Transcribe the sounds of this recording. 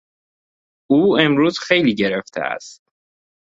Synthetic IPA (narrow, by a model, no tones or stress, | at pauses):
uːemɾuːz̥xe̞jliːɟeɾeft̪ʰḛæ̰st̪̚